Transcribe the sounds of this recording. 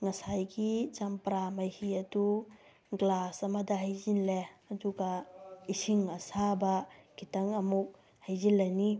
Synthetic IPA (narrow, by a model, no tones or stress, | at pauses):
ŋɐsajɡit͡ʃɐmpɾamɐjhiɐdu | ɡlasɐmɐdɐɦajzinleɐduɡɐisiŋɐsabɐɡitɐŋɐmuk̚ | hajzinlːɐjni